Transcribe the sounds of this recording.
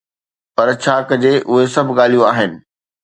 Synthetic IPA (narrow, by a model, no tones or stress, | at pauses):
pɐɾt͡ɕʰaːkɐd͡ʑeːʔʊɦesɐbʱɠaːl̤ijũaːɦɪnɪ̆